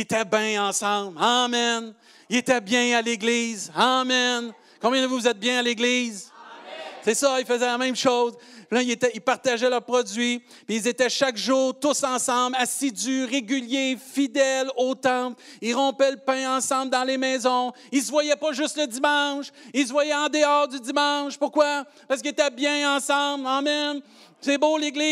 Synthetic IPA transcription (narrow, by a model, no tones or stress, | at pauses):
et̪ɛbɛ̃ɑ̃sɑ̃blamɛn | iet̪ɛbjɛ̃aleɡliːzamɛn | kɔ̃bjɛ̃d̪əvuvuzɛt̪̚bjɛ̃aleɡliːz | sesʌilfəzɛlamɛ̃mʃozlɛilet̪ɛilpaʁt̪aʒɛlœʁpʁɔd͡zɥi | piːlzet̪ɛʃakʒuːʁt̪ʊsɑ̃sɑ̃blasid̪yʁeɡʲyljefid̪ɛlot̪ɑ̃p | ilʁɔ̃pɛləpɛ̃ɑ̃sɑ̃bld̪ɑ̃lemɛːzɔ̃ | ils̬vwajɛpɔʒʏst̪ləd̪imɑ̃ʃils̬vwajɛɑ̃d̪eɑːʁd̪yd̪imɑ̃ʃpʊʁkwa | paʁskəiet̪ɛbjɛ̃ɑ̃sɑ̃blamɛn | seboleɡli